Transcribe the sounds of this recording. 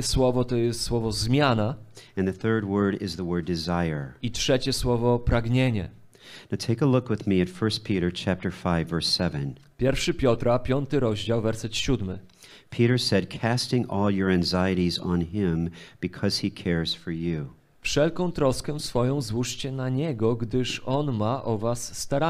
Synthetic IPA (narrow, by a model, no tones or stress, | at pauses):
swɔvɔt̪ɔjɛst̪swɔvɔzmʲjanaɨ̃nðɨθɜ˞d̚wɜ˞ɾɪ̰zðəwɜ˞dɨzaɪə˞itʂɛt͡ɕɛswɔvɔpɾaɡɲeɲɛ̰ | naʊtʰeɪkəlʊkwɨðmiɨtfɜ˞spʰiɾə˞t͡ʃʰæp̚tə˞faɪvːɜ˞sɛvɨ̃n | pʲjɛɾfʂɘpʲjɔt̪ɾapʲjɔnt̪ɘɾɔʑd͡ʑawvɛɾsɛt̪ɕud̪mɘ̰ | pʰiɾə˞sɛd̚kʰæstɪ̃ŋɔlˠjə˞æ̃ŋzaɪɨɾizn̩ɪ̃mb̥ɨkʰʌz̥ikʰɛɹz̥fə˞jʉ | fʂɛlkɔ̃w̃t̪ɾɔskɛ̃sfɔjɔ̃w̃zwuʂt͡ɕɛnaɲɛɡɔɡd̪ɘʂɔnmaʔɔvasːt̪aɾa